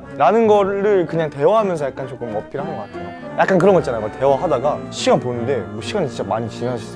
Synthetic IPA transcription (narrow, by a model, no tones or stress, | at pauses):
ɾanɯnɡʌɾɯɭkɯɲaŋte̞waɦamjʌnsʰʌjak͈̚ant͡ɕok͈ɯmʌpʰiɾaɦanɡʌk͈atʰejojak͈ankɯɾʌŋɡʌtt͡ɕ͈anajomate̞waɦadaɡaɕʰiɡaponɯnde̞moɕʰiɡanit͡ɕint͡ɕ͈amaɲit͡ɕinaɕʰi̥s͈